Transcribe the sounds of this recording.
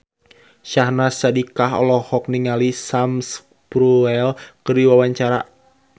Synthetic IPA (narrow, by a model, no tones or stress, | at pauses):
ʃahnasadikaɦɔ̰lɔhɔk̚niŋalisams | pɾuɛlkərdiwawaɲt͡ʃaɾa̰